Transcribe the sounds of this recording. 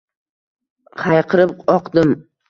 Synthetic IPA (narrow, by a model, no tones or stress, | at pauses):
χʰajqʰɨɾɪp̚ɒqd̪ɪm